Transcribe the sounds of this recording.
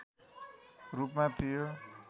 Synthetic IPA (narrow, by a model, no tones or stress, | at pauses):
rupmat̪ʰijo